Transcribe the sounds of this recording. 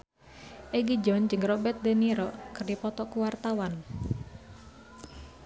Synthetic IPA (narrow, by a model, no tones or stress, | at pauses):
ʔeɡid͡ʒɔnd͡ʒɨŋrɔbɛt̪̚d̪eniɾɔkɨrdipɔt̪ɔkuwart̪awan